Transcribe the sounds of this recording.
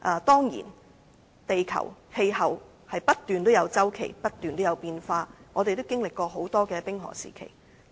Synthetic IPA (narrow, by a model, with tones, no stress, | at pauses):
ʔɐː˨˧t̪ɔː˥ŋjḭː˨˩n | t̪e˨jkʰɐ̰˨˩whe˧jhɐ˨w | hɐ˨jpɐ˥t̚t̪yː˨nt̪o˥wjɐ˨˧wt͡sɐ˥wkʰe˨˩jpɐ˥t̚t̪yː˨nt̪o˥wjɐ˨˧wpiː˧nfaː˧ŋɔː˨˧t̪e˨jt̪o˥wkɪ˥ŋlɪ˨kːʷɔː˧ɦo˨˥wt̪ɔː˥kɛː˧pɪ˥ŋɦɔ̰ː˨˩sḭː˨˩kʰḛ˨˩j